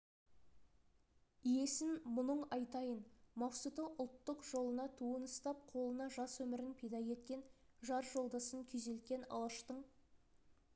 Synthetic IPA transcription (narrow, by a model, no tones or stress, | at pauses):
ije̞sɪnmʊnəɴɑjt̪ɑjənmɑqsut̪oʔʊlˠt̪ːəqʒ̥o̞lˠənɑt̪ʰuənəst̪ɑp̚qʰo̞lˠənɑʒɑswɵmɪɾɪnpʰejd̪ɑje̞t̪̚kʲe̞n | ʒɑɾʒo̞lˠd̪ɑsəŋkʲʰʏze̞lt̪̚kʲe̞nɑ̰lˠɑʃt̪əɴ